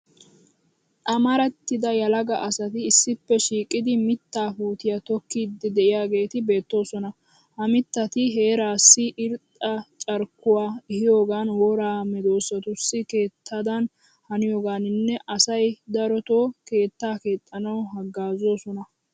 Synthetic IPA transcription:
ʔʼɐmɐɾɛt̪ːɪd̪ɐjɐlɐɡɐʔɐsɐt̪ɪːsːɪpːɛʃiːkʼːɪd̪ɪmɪt̪ːaːfuːt̪ɪjat̪ɔkːiːd̪ɪd̪ɛʔɪjaːɡe̞ːt̪ɪbe̞ːt̪ːo̞ːsɔnɐ | hɐmɪt̪ːɐt̪ɪɦe̞ːɾaːsːɪʔɪɾt̪ʼɐt͡ʃʼɐɾkːʊwaːɪhɪjoːɡaːnwoɾaːmɛd̪o̞ːsɐt̪ʊsːɪke̞ːt̪ʰːɐd̪ɐn | hɐnɪjoːɡaːnɪnːɛʔɐsɐjd̪ɐɾɔt̪oːke̞ːt̪ːaːke̞ːt̪ʼːɐnɐwɦɐɡːaːzo̞ːsɔnɐ

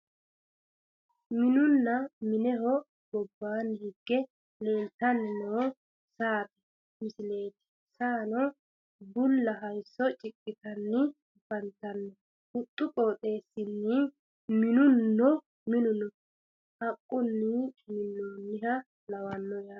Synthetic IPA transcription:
mɪnʊnːɐmɪnɛɦɔ | bɔbːaːnːɪhɪɡːɛ | le̞ːnt̪ːɐnnoː | saːt̪ɛ̥ | mɪsɪle̞ːt̪ɛ̥ | saːnɔ | bʊlːɐɦɐjsːɔt͡ʃʼɪkʼːɪt̪ɐnːɪ | fɐnt̪ːɐnːɔ | ʊt̪ʼːʊkʼo̞ːt̪ʼe̞ːsːɪnːɪ | mɪnʊnːɔ | mɪnʊnɔ | hɐkʼːʊnːɪt͡ʃʼɪmɪnːoːnːɪhɐ | lɐwɐnːɔjaː

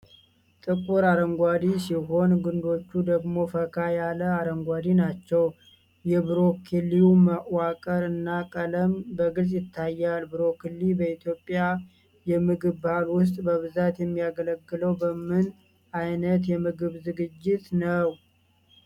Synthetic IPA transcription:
t̪ʼɨkʼuɾaɾəŋɡʷad̪isiɦo̞nɡund̪o̞t͡ʃːud̪əɡmo̞fəkʰajaləaɾəŋɡʷad̪inat͡ʃːɛw | jɛbɨɾo̞kʰilːiuməʔwakʼəɾɨnːakʼələmbəɡɨlsʼjɪt̪ʰːajːalbɨɾo̞kʰilːibəit̪jo̞pʼːja | jɛmɨɡɨβbhalwʊs̬t̪ʼbəβɨzat̪jɛmːijaɡələɡːɨləwbəmɨn | ʔajnət̪jɛmɨɡɨβzɨɡɨd͡ʒːɪt̪nəw

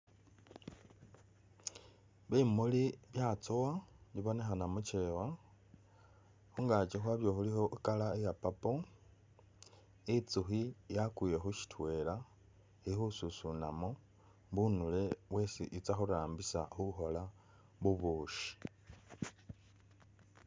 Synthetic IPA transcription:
βimuliβjat͡sowaβiβo̞ne̞xanamut͡ʃewa | xuŋɡat͡ʃexwaβjo̞xuliho̞ʔikalaejapapo | it͡suxijakuje̞xuʃi̥twe̞ːla | ixususuna̰mo | βunule̞βwe̞siʔit͡saxuɾaːmbisa̰xuxo̞la | βuβuːʃi̥

